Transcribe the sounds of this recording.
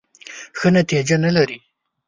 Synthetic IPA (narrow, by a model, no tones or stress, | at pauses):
xənat̪id͡ʒanalaɾi